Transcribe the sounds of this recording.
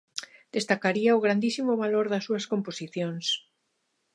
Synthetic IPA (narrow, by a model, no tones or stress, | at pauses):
d̪̥est̪akaɾiaʊɣɾand̪isimʊβaloɾðɐsːuɐskomposiθjoŋs